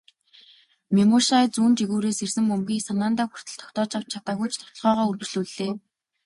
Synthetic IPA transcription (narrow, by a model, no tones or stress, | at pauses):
memʊʃat͡suːnt͡ɕiɣuːɾeːsersɘ̆mːɵmɡʲiːsanaːnt̪aːxu̥r̥t̪ʰə̆ɬt̪ʰɔ̥kt̪ɔːt͡ɕaw̥t͡ɕʰat̪aːɣujt͡ɕt̪ʰɔ̥t̪ɞ̆ɮʁɔːʁɔːɵrwɵ̆t͡ɕɮuːɮeː